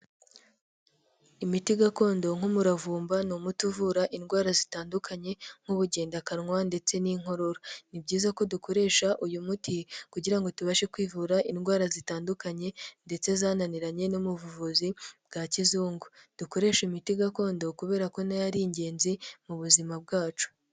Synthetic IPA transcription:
imitiɡako̞ːndo̞ŋ̥umuɾavuːmbanomutuvuɾaʔinɡwaːɾazitaːndukʰaɲe̞ŋ̥huβuɟe̞ːndakaɾŋwande̞t͡se̞niːŋɦo̞ɾo̞ɾonibɟiːzako̞duko̞ɾe̞ːʃaʔujumutikuɟiɾaŋɡo̞tuβaʃe̞kwiːvuɾaʔinɡwaːɾazitaːndukaɲe̞nde̞t͡se̞zaːnaniɾaɲe̞nomuvuvuzib̚ɡacizuːŋɡud̥uko̞ɾe̞ːʃimitiɡako̞ːndo̞kuβe̞ːɾako̞najaɾiːɲɟe̞ːnzimuβuzimab̚ɡaːt͡ʃu̥

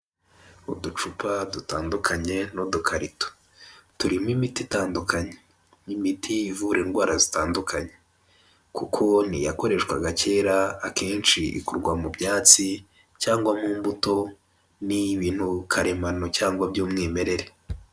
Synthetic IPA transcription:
udut͡ʃupʰadutaːndukʰaɲe̞nodukʰaɾito̥ | tuɾimimititaːndukaɲe | nimitʰiːvuɾeːnɡwaːɾazitaːndukʰaɲe̞̥ | kukʰo̞nḭjako̞ɾe̞ʃkwaɡace̞ːɾaːkʰeːnt͡ʃiḭkuɾɡwamubɲaːt͡si | caːŋɡwamuːmbuto̞ | niβiːn̥hukʰaɾe̞mano̞caːŋɡwabɟuːmŋiːme̞ɾe̞ɾe

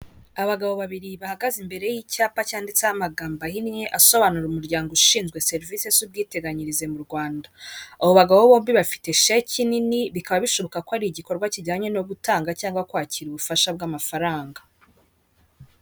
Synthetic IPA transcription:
aβaɡaβo̞βaβiɾiβahaɡazimbe̞ɾe̞jiːcaːpacaːndit͡samaɡaːmbahineʔaso̞βanuɾumuɾɟaːŋɡuʃiːnzɡwe̞se̞ɾvise̞zub̚ɡiːte̞ɡaɲiɾize̞muɾɡwaːndaːβo̞βaɡaβoβo̞ːmbiβafi̥te̞ʃecininiβikaβaβiʃo̞βo̞kakoaɾiɟiko̞ɾɡwaciɟaːɲe̞no̞ɡutaːŋɡacaːŋɡwakwaːciɾuβufaʃabɡamafaɾaːŋɡa

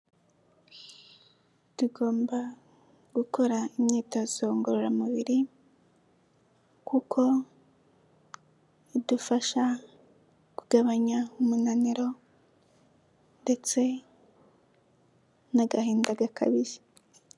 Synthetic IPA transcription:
tuɡo̞ːmba | ɡ̥ukʰo̞ɾaimɲitaz̥o̞ŋɡoɾoɾamuβiɾi | kukʰo̞ | idufaʃa | kuɡ̥aβaɲaumunaniɾo̞ | nde̞t͡se̞ | naɡahiːndaɡakʰa̰βizi

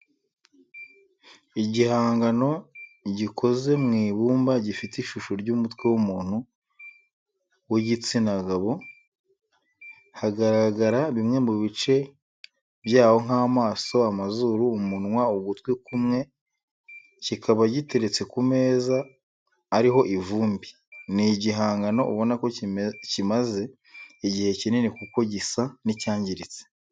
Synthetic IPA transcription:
iɟihaːŋɡano̞ɟikʰo̞ze̞mŋiːβuːmbaɟifitiʃuʃoɾɟumutwe̞wumuːn̥hu | weɟit͡sinaɡaβo̞ | haɡaɾaɡaɾaβimŋe̞muβit͡ʃe̞ | bjaːho̞ŋaːmaːso̞amazuːɾuːmunŋwauɡutwikumŋe̞ | cikʰaβaɟite̞ɾe̞t͡se̞kume̞ːzaː | ɾiɦo̞ʔivuːmbi | niɟiɦaːŋɡano̞ʔuβo̞nako̞cimaze̞ː | ɟihe̞cinenikuko̞ɟisanicaːɲɟiɾit͡se̥

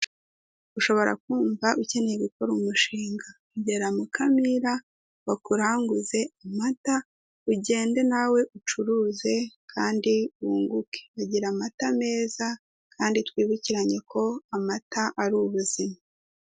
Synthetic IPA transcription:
uʃo̞βo̞ɾa̰k̚uːɱvaʔuce̞nejiβiko̞ɾumuʃiːŋɡa | uɟe̞ɾamukʰamiɾa | wakuɾaːŋɡuze̞amata | uɟe̞ːnde̞nawe̞ʔut͡ʃuɾuːze̞kʰaːndiwuːŋɡuke̥βaɟiɾamatame̞ːza | kʰaːnditwiːβuciɾaɲe̞kʰo̞amataʔaɾuβuzima

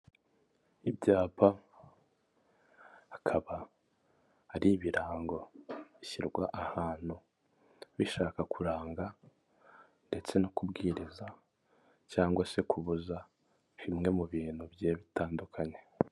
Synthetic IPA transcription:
ibɟaːpʰa | hakʰaβa | hːɾiβiɾaːŋɡo̞βiçiɾɡwaʔahaːn̥hu | βiʃaːkakuɾaːŋɡa | nde̞t͡se̞nokubɡiːɾiza | caːŋɡwase̞kʰuβuza | βimŋe̞muβiːn̥hubje̞ːβitaːndukʰaɲe̞

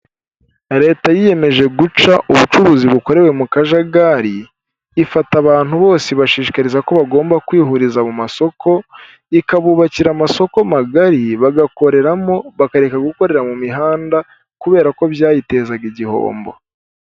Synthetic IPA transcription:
ɾe̞ːtajije̞me̞ʒe̞ɡut͡ʃaʔuβut͡ʃuβuːziβuko̞ɾe̞we̞mukaʒaɡaɾiː | fataβaːn̥huβo̞ːseβaʃiːʃi̥kaɾizako̞βaɡo̞ːmbakwiːɦuɾizamumaso̞kʰo̞ | ikaβuːβaciɾamaso̞ko̞maɡaɾiβaɡako̞ɾe̞ɾamo̞βakaɾe̞kaɡuko̞ɾe̞ɾamumiɦaːnda | kuβe̞ːɾako̞βjaːjite̞ːzaɡiɟiho̞̰ːmbo̰

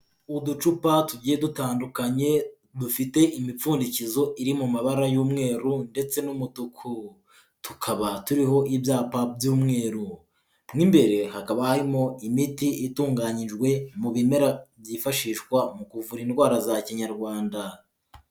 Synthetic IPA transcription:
udut͡ʃupatuɟijedutaːndukaɲe̞ | dufite̞ʔimip͡fuːndicizo̞ʔiɾimumaβaɾajuːmŋe̞ːɾunde̞t͡se̞numutukʰu | tukʰaβatuɾiɦo̞ʔibjaːpabjuːmŋe̞ːɾu | mŋimbe̞ɾe̞hakaβahaɾimo̞imitiʔituːŋɡaɲiʒɡwe̞muβime̞ɾabjifaʃiːʃkwamukuvuɾiːndɡwaːɾazaciɲaɾɡwaːnda

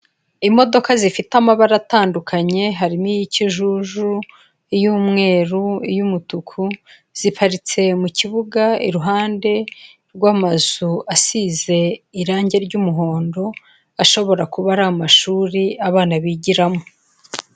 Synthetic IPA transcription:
imo̞do̞kazifitamaβaɾataːndukʰaɲe̞ɦaɾimijiciʒuʒu | ijuːmŋe̞ːɾuijumutukʰu | z̥ipaɾit͡se̞muciβuɡaḭɾuɦaːnde̞ | ɾɡwaːmazuʔasize̞iɾaːɲɟe̞ɾɟumuɦo̞ːndo̞ | aʃo̞βo̞ɾakuβaɾamaʃuːɾiaβaːnaβiɟiɾamo

